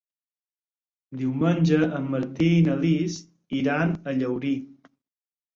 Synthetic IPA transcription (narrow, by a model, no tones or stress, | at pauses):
d̪iwmənʲʒəəmːəɾt̪iinəlis | iɾanəʎəwɾi